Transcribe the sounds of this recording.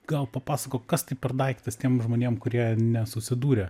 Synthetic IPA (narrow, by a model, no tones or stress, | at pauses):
ɡ̥ɐlˠpɐpɑːsɐkoːkɐst̪ɐɪpʲɛrd̪ɐɪkt̪ɐst̪ʲiɛmʒmoːnʲeɛmkʊɾʲiɛnʲɛsʊsʲɪd̪uːɾʲɛ